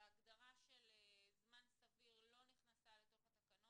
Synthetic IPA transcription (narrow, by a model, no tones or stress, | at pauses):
aɡd̪aʁaʃelzmansaviʁlo̞niχnasalet̪o̞χat̪akanot